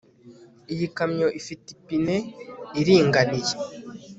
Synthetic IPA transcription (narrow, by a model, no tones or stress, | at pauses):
ijikamɲo̞ʔifitipineiɾiːŋɡanije